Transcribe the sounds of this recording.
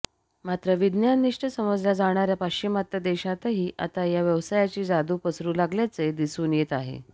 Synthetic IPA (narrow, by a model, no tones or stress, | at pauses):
mat̪ɾəʋid̪njaniʂʈəsəməd͡zlad͡zaɽ̃aɾjapakt͡ɕimat̪jəd̪eɕat̪aɦiːʔa̰t̪ajaʋjəʋsajat͡ɕiːd͡zad̪uːpəsɾuːlaɡljat͡sed̪isuːnjet̪aɦḛ